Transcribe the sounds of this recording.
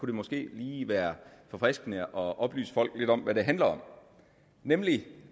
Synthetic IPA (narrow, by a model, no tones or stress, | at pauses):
kʰuɾ̥e̝mɒ̽sɡ̥e̝̰ːliːʋæːɐfɒ̽fʁɛsɡ̥nəʔɒ̽ʔɒ̽b̥ly̰ːsə̥fɒ̽l̰ɡ̥le̝d̥ɒ̽m̰ʋæɾe̝ɦænlɐɒ̽m̰ | nemli